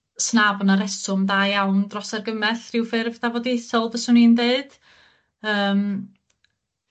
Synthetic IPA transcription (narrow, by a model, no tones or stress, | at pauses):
snabɔnaɾɛsʊmdaːjawndrɔsarɡəmɛθrɪwfɪrvdavɔdisɔlˠvəsʊnindeɨd̥ | əːm